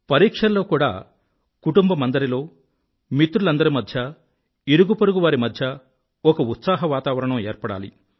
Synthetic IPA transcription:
pɐɾiːkʂɐlːo̞ːkuːɽa̰ː | kuʈumbɐmɐnd̪ɐɾilo̞ː | mit̪ːɾulɐnd̪ɐɾimɐd̪ʱjɐ | iɾuɡupɐɾuɡuʋaːɾimɐd̪ʱjɐ | ɔkɐut̪saːɦɐʋaːt̪aːʋɐɾɐɳɐmeːɾpɐɽa̰ːlḭ

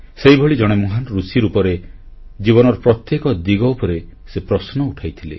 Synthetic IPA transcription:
seibʱoɭid͡ʒɔɽ̃emoɦanɾusiɾupɔɾe | d͡ʒibɔnɔɾɔpɾɔt̪jekɔd̪iɡɔupɔɾe | sepɾɔsnɔuʈʰajt̪ʰilḛ

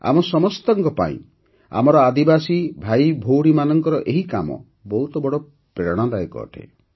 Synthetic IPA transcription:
a̰mɔsɔmɔst̪ɔŋkɔpa̰ḭ̃ | a̰mɔɾɔad̪ibasibʱajbʱowɽimanɔŋkɔɾɔʔeɦikamɔ̰ | bɔɦut̪ɔbɔɽɔ | pɾeɾɔɽ̃ad̪ajkɔ̰ːʈʰḛ

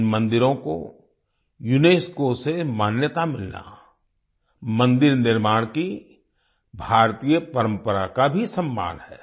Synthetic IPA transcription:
mə̃nd̪ɪɾõko̰ | jʊneːskosemaːnjət̪amɪlna̰ | mə̃nd̪ɪɾnɪɾmaːɽ̃ki | bʱaːɾt̪iːjəpəɾə̃mpəɾakabʱisəmːa̰ːnhɛː

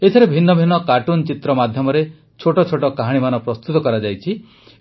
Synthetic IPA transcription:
et̪ʰɔɾebʱinːɔbʱinːɔkaʈunt͡ʃit̪ɾɔmad̪ʱjɔmɔɾe | t͡ʃʰoʈɔt͡ʃʰoʈɔkaɦaɽ̃imanɔpɾɔst̪ut̪ɔkɔɾad͡ʒajt͡ʃʰi

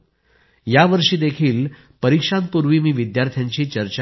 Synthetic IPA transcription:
jaʋəɾʂiːd̪ekʰiːl | pəɾikʂãn̚puɾʋiːmiːʋid̪jaɾt̪ʰjaɲt͡ɕiːt͡ɕəɾt͡ɕ

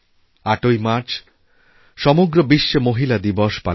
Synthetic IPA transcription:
aʈojmaɾt͡ɕʰ | ʃɔmoɡɾobiʃːemoɦilad̪ibɔʃpa̰

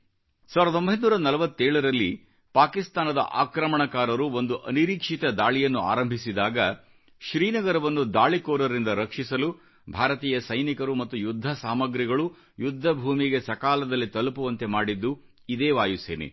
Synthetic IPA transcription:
saːʋɾɐo̞mbɐɦjd̪nuːɾɐnɐlɐʋɐt̪ːeːɭɐɾɐlːi | paːkist̪aːnɐd̪ɐ̰ʔa̰ːkɾɐmɐɳɐkaːɾɐɾuo̞nd̪uʔɐniɾiːkʂit̪ɐd̪aːɭijɐnːua̰ːɾɐmbʱisid̪aːɡɐ | ʃɾiːnɐɡɐɾɐʋɐnːud̪aːɭikoːɾɐɾind̪ɐɾɐkʂisɐlu | bʱaːɾɐt̪iːjɐsɐjnikɐɾumɐt̪ːujud̪ʱːɐsaːmɐɡɾiɡɐɭu | jud̪ʱːɐbʱuːmiɡe̞sɐkaːlɐd̪ɐlːit̪ɐlupuʋɐnt̪e̞maːɽid̪ːu | id̪eːʋaːjusḛːnḛ

